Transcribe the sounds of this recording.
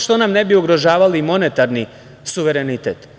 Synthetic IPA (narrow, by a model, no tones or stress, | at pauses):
ʃt̪o̞namnebioɡɾo̞ʒaːʋalimo̞net̪aɾni | suʋeɾenit̪eːt̪